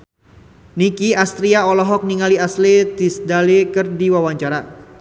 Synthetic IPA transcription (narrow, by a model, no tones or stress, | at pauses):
nikiast̪ɾiaɔlɔɦɔk̚niŋaliaslet̪isdalekərdiwawaɲt͡ʃaɾa